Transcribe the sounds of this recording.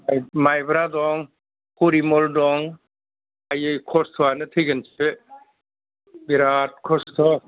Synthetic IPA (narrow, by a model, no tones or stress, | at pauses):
ajmajbɾadɔŋ | kuɾimɔldɔŋ | ajɯjkʰɔstʰɔwanɯtʰɯjɡɯnsʰe | biɾat̚kʰɔstʰɔ